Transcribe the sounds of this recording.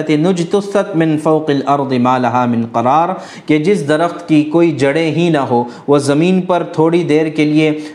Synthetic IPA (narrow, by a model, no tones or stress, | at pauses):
ɐt̪enʊd͡ʒt̪ʊsɐt̪mɪnfɐʊqɐlɐɾd̪ˤɨmaːlɐɦaːmɪnqɐɾaːɾ | ked͡ʒɪsd̪ɐɾəxt̪kikoːid͡ʒɐɽeɦĩnɐɦoː | ʋozɐmiːnpɐɾt̪ʰoːɽid̪eːɾkelie